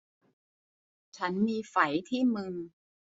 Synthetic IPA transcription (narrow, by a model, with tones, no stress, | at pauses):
t͡ɕʰa˦˥nmiː˧fa˩˦jt̪ʰiː˥˩mɯ˧ŋ